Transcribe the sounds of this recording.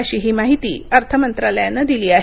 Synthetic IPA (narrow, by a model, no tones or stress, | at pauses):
əɕiːɦiːmaɦit̪ḭːəɾt̪ʰəmənt̪ɾaləjanəd̪iliːaɦ